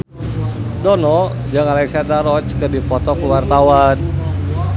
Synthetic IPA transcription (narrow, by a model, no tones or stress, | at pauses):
dɔnɔ | d͡ʒaŋalɛksandaɾɔt͡ʃkərdipɔt̪ɔkuwart̪awan